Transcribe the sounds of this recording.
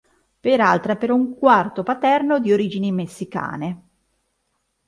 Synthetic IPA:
peɾalt̪ɾeɛpeɾɔuŋkwart̪opat̪ɛrnod̪ioɾiːd͡ʒinimesːika̰ːne

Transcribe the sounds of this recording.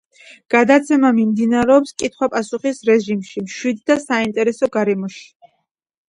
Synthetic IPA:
ɡ̥ad̪at̪sʰɛmamimd̪inaɾɛɔpskʼit̪ʰχwapʼasuχisɾɛʒimʃimʃwid̪̚ːasaint̪ʼɛɾɛsɔɡaɾɛmɔʃi̥

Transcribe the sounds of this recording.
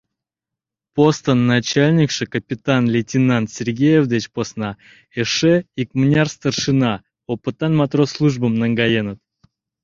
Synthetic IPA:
post̪ənːat͡ɕalʲnʲɪkʂɨkəpʲɪt̪anlʲɪtʲɪnant̪sʲɪrɡʲejevd̪ət͡ɕposna | eʂɛikmnʲarst̪ərʂɨna | opɨt̪anmat̪roslˠuʐbəmnəŋɡajenət̪̚

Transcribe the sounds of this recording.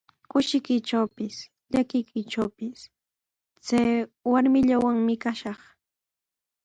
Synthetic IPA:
kʊʃɪkɪʈ͡ʂawpɪs | ʎakɪjkɪʈ͡ʂawpɪs | t͡sajwaɾmɪʎawaŋmɪkaʃɑχ

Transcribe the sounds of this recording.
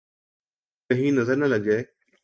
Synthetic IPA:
kɐɦĩːnɐzəɾnɐlɐɡeː

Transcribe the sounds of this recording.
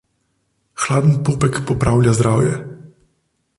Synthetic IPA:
xlad̪nɘpupɛkpɔpɾawlʲjazd̪ɾawjɛ

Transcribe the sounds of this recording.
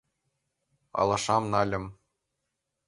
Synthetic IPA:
ɑ̰lˠɑʂɑmnɑlʲɤ̆m

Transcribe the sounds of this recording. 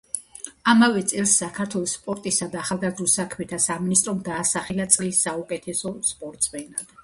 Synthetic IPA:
amavɛt̪sʼɛlˠsːakʰaɾt̪ʰwɛlˠɔsːpʼɔɾt̪ʼisad̪aːχalˠɡazɾusakʰmɛt̪ʰasaminist̪ʼɾɔmd̪aːsaχɛlat̪sʼlisːaukʼɛt̪ʰɛsɔspʼɔɾt̪ʼsʼmɛnad̪̥

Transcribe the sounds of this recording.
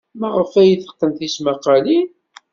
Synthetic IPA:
mæʁəfæjəθə̥qːəmθismɑqɑli

